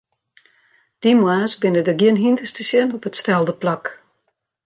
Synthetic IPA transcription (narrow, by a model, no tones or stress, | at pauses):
d̥imwaːsbɪnədəɡjɪənɦintəstəsjənɔpətstɛlˠdəplak